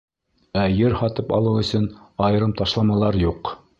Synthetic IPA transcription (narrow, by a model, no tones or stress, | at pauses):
æjɘɾhɑt̪ɤpɑ̰lˠɤwɵ̆sɵnɑjɤ̆ɾɤmt̪ɑʃlˠɑmɑlˠɑɾjuq